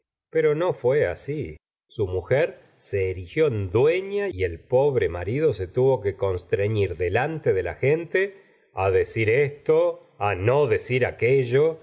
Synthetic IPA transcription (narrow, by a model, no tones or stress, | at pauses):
peɾo̞no̞fwea̰si | sumuxeɾ | se̞ːɾixjo̞end̪we̞ɲaielpo̞βɾema̰ɾið̞o̞se̞t̪uβo̞ke̞ko̞nst̪ɾeɲiɾðe̞lant̪eðela̰xent̪e | aðe̞siɾest̪o | ano̞ðe̞siɾakeʒo